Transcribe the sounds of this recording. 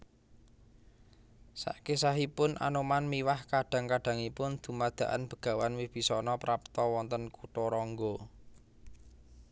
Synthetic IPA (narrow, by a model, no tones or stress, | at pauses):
sa̰ʔkesaɦipʊnʔa̰nomanmiwahkaɖ̥a̤ŋkaɖ̥a̤ŋipʊnd̪̥ṳmad̪̥a̤ʔa̰nb̥ə̤ɡ̥ä̤wanwɪhb̥i̤sɔnɔpɾap̚t̪ɔwɔnt̪ənkuʈɔɾɔŋɡɔ